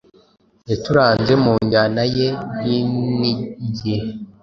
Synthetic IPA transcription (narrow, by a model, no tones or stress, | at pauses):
jetuɾaːnze̞muːɲɡanajebiiɟe